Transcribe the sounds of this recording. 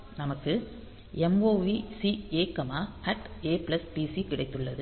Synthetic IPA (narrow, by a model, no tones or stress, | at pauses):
nɐmɐkːɯ | ɛmoːʋiːsieːkɐmaːɐʈeːpɪlɐspisikɪɽɐɪt̪ːɯɭːɐðɯ